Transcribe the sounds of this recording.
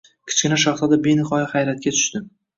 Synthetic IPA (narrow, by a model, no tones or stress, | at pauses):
kʲʰɪ̥t͡ʃkʲɪnaʃɑχt̪ɒd̪abenɪχɒjɪχajɾat̪̚kʲat̪ʰʊ̥ʃt̪ɪm